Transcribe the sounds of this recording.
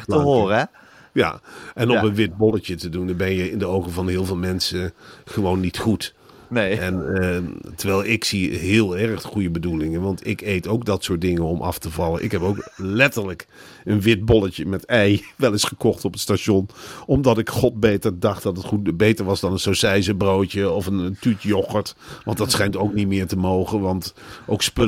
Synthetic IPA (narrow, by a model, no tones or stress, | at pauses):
əɦoːr | ja̰ʔɛnɔpənʋɪt̚bɔlətətədunbɛnjəɪndəowɣəvɑnhɪːlˠvɪːlˠmɛnsəχəʋoːnːitχut | ɛn | təɹʋɛjlˠɪksiɦɪːəlˠɛɹxχujəbədulɪŋənʋɑntɪkejtowk̚dɑtsʊːɹt̚dɪŋənɔmʔɑ̰ftəvɑlˠənʔɪ̰kɦɛpowklɛtəɹlək | ənʋɪt̚bɔlətəmɛtɛjʋɛlˠɪsχəkɔχtɔpətstaʃɔnɔmdɑtɪkχɔt̚betəɹdɑχt̚dɑtətχubejtəɹʋɑsdɑnənsosɛjzəbroːtəɔfəntytjɔχəɹtʋɑndɑtsχɛjntowknitmɪːɹtəmoːχənʋɑntʔowkspø